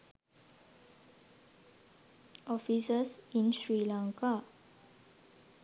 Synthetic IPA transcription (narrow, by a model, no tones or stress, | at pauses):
ʔɔfisəsĩnsɹilãŋka